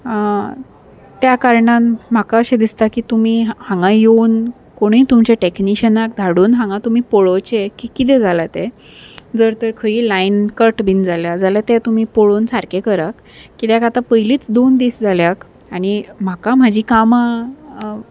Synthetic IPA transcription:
t̪jakaɾɳãnm̤akaəɕẽd̪ist̪akiːt̪um̤iːhãŋɡãjon | koɽ̃iit̪umt͡ɕeʈekniɕənak̚d̪ʱaɽuːnɦãŋɡãt̪um̤iːpoɭot͡ɕekikit̪̬ɛd͡zʱalat̪ɛ | d͡zəɾt̪əɾkʰəiːlainkəʈbʱind͡zaljad͡zalat̪ɛt̪um̤iːpoɭonsaɾkekəɾakː | it̪jakat̪apəjliːt͡sd̪ond̪iːsd͡zaljak | aɽ̃im̤akam̤ad͡ʑʱiːkama

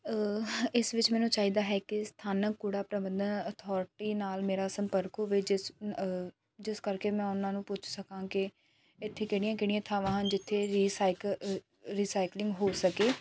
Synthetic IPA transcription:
ɪsʋɪt͡ʃmɛ̃ːnũːt͡ʃaːiːd̪aːɦɛːkɪst̪ʰaːnəkːʊɽaːpɾəʋənd̪ənət̪ʰɔːɾʈiːnaːlmeːɾaːsəmpəɾkoʋɪd͡ʒɪs | d͡ʒɪskəɾkeːmɛ̃ːʊnãːnũːpʊt͡ʃʰsəkãːkɪ | ɪt̪ʰːeːkɪɽ̃ɪjãːkɪɽɪjãːt̪ʰaːʋãːɦd͡ʒɪt̪ʰːeːɾiːsaːɪk | ɾiːsaːɪklɪ̃ŋɡɦoːsəkeː

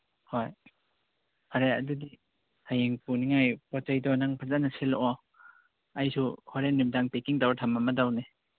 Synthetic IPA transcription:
hɔj | haɾea̰dudi | hajeŋpuniŋajpɔt͡ʃajdɔnaŋpʰazanaselʔɔ | ajsʰuhɔɾenib̚daŋpekiŋdawatʰamamadawne

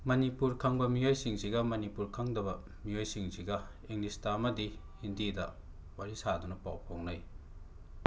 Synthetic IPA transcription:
mɐnipuɾkʰɐŋbɐmijojsiŋsiɡɐmɐnipuɾkʰaŋdɐbɐ | mijojsiŋsiɡɐ | iŋlistaɐmɐdi | hindidɐ | waɾisadunɐpawpʰoŋnɐj

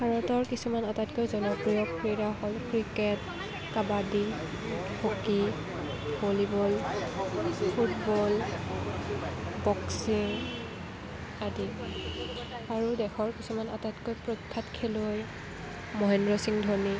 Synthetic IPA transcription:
bʱaɹɔtɔɹkisumanatatkojzɔnɔpɹijɔkɹiɹaɦɔlkɹikɛt | kabadi | hoki | bolibɔl | pʰutbɔl | bɔksiɹ | adi | aɹudɛxʰɔɹkisumana̰tatkojpɹɔkʰːatkʰɛloj | mɔɦɛndɹɔsiŋdʱɔɹni

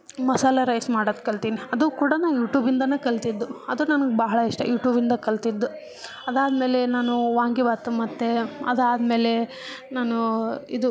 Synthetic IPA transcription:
mɐsaːlaɾɐjsmaːɽod̪̚kɐɭt̪iːniɐd̪ukuːɽɐnaːnjuːʈjuːbind̪ɐneːkɐɭt̪id̪ːuɐd̪unɐnɐɡebɐɦɐɭɐiʂʈɐ̰juːʈjuːbind̪ɐkɐɭt̪id̪ːu | ɐd̪aːd̪me̞ːle̞naːnuʋaːŋɡibaːt̪umɐt̪ːe̞ɐ̰d̪aːd̪me̞ːle̞ | naːnuḭd̪u

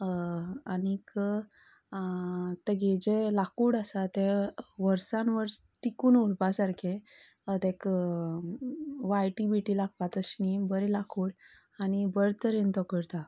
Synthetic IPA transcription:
anik | t̪əɡed͡ʑelakuːɽəsat̪eʋəɾsãnʋəɾst̪ikuːnuɭpasaɾkʰẽ | t̪ek | ʋajʈibiʈilaɡ̚pat̪əsnibəɾelakʰuːɽ | añibəɾt̪əɾent̪ɔkəɾt̪a

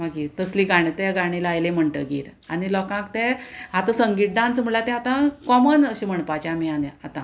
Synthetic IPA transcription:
maɡiːɾt̪əsliːɡaɽ̃it̪eɡaɽ̃ilajlem̤əɳʈə̰ɡiːɾanilɔkãkt̪ẽɦat̪əsəŋɡiːʈ̚ɖãnt͡sm̤əɭat̪ɛ̃at̪ãkɔmənəɕim̤əɳpat͡ɕamianeat̪ã

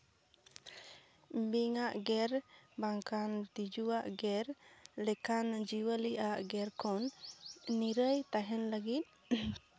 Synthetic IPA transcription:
mbiŋaʔɡɛɾbaŋkant̪id͡ʒuwaʔɡɛɾlɛkand͡ʒiwəliʔaʔɡɛɾkʰɔnː | iɾəjt̪aɦɛnləɡit̪̚

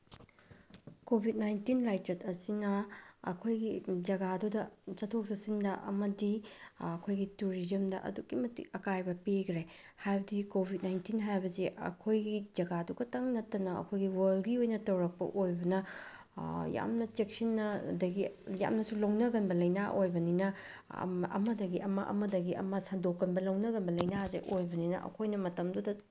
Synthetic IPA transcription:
kobʱit̚najntinlajt͡ʃɐt̚ɐsinɐɐ̰kʰojɡid͡ʒɐɡadudɐsɐtʰok̚sɐsindɐʔɐ̰mɐdiɐkʰojɡituɾizɐmdɐ̰ʔɐ̰dukːimɐtḭkɐkajbɐpiɡʰɾe | hajbɐdikobʱit̚najntinɦajbɐziʔɐ̰kʰojɡizɐɡaduɡɐtɐŋnɐtːɐnɐɐ̰kʰojɡiwɐlɡiojnɐtɐwɾɐk̚pɐ̰ʔojbɐnɐ | ja̰mnɐt͡ʃek̚sinːɐdɐɡija̰mnɐsulɐwnɐɡɐnbɐlɐjnaʔojbɐninɐ̰ | ɐ̰mɐdɐɡiʔɐmɐ̰ʔɐ̰mɐdɐɡiɐ̰mɐsɐndokːɐnbɐlɐwnɐɡɐnbɐlɐjnazḛʔojbɐninɐ̰ʔɐ̰kʰojnɐmɐtɐmdudɐ

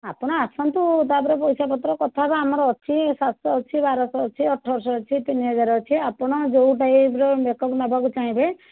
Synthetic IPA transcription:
apɔɽ̃ɔasɔnt̪ut̪apɔɾepɔjsapɔt̪ɾɔkɔt̪ʰabeamɔɾɔːt͡ʃʰisasɔːt͡ʃʰibaɾɔsɔːt͡ʃʰiɔʈʰːɔbɔɾsɔɔt͡ʃʰit̪iniɦɔd͡ʒaɾɔɔt͡ʃʰiapɔɽ̃ɔd͡ʒouʈajibɾɔbekɔpnabʱakut͡ʃaɦĩbe

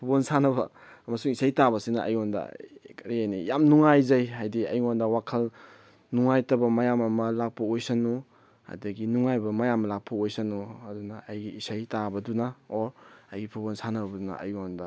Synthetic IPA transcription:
pʰubonsanɐbɐ | mɐsuŋisajtabɐsinɐʔɐ̰jondɐ̰kɐɾijanijamnuŋajzɐjɦajdiɐ̰jŋondɐwakʰɐl | nuŋajtɐbɐmɐjamɐmɐlak̚pʰoojsɐnu | ha̰jdɐɡinuŋajbɐmɐjamɐlak̚pʰoojsɐnuɐdunɐːjɡiːsajtabɐdunɐoɾɐjɡipʰubonsanɐbbɐdunɐ̰ʔɐ̰jondɐ

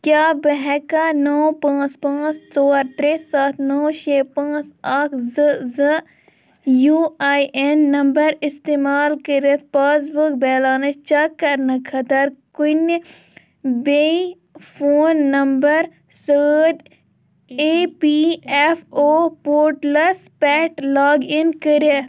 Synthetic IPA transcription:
kjaːbɐɦɛkanɔːpãːspãːst͡sɔːɾt̪ɾeːsaːt̪ʰnɔːʃeːpãːsaːkʰzɨzɨ | juːaːiʔenːɐmbəɾɪst̪eːmaːlkəɾet̪̚ʰpaːs̬bukbɛːlaːnɐt͡ʃt͡ʃakːɐɾnɐkʰɐt̪ɐɾkun | be | fʰoːnːɐmbɐɾ | səːʈ | eːpiɛfʰoːpoːɾʈlɐspɛːʈlaːɡinkəɾət̪

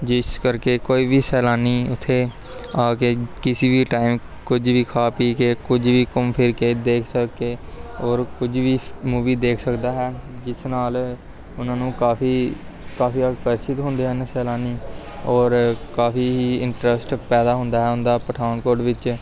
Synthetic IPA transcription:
d͡ʒɪskəɾkeːkoːiːʋiːsɛːlaːniːʊt̪ʰːeː | aːkeːkɪsiːʋiːʈaːɪm | kʊd͡ʒʋiːkʰaːpiːkeːkʊd͡ʒʋiːkʊmpʰɪɾkeːd̪eːkʰsəkːeːɔːɾkʊd͡ʒʋiːmuːʋiːd̪eːkʰsəkd̪aːɦɛːd͡ʒɪsnaːl | ʊnãːnũːkaːfiː | kaːfiːəkpəɾsɪt̪ɦʊ̃nd̪eːɦənsɛːlaːniː | ɔːɾkaːfiːɦiːɪ̰ɳʈɾəsʈpɛːd̪aːɦʊ̃nd̪aːɦɛːʊnd̪aːpəʈʰaːnkoːɾɖʋɪt͡ʃ

